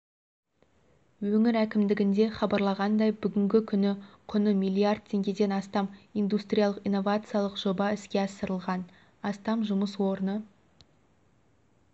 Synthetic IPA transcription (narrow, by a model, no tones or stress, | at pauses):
wɵŋɪɾækʲɪmd̪ɪɡʲɪnd̪e̞χɑbɑɾlˠɑʁɑnd̪ɑjbʏɡʲɪŋɡʲɪkʲʰʏnɪqʰʊnəmʲijlˠiard̪̚t̪ʲʰe̞ŋɡʲe̞d̪e̞nɑst̪ɑmijnd̪ust̪ɾʲijalˠəqijnːo̞vat̪sɨjalˠəqʒ̥o̞bɑɪskʲe̞ɑsəɾəlˠʁɑn | ɑst̪ɑmʒʊməswo̞ɾənə